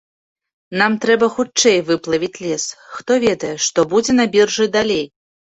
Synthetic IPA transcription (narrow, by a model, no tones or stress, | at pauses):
namt̪ɾɛbɐxut͡ʂɛjvɨplˠɐvʲit͡sʲlʲɛsxt̪ɔvʲɛd̪ɐjɛʂt̪ɔbud͡zʲɛnabʲirʐɨd̪alʲej